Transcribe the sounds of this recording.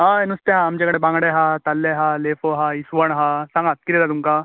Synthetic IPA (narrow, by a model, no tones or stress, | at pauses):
ɦaenust̪eɦaːmt͡ɕjakəɽebãŋɡɽeɦat̪alːeɦalefoɦaisʋəɳɦasãŋɡat̪̚kiɾet̪at̪umka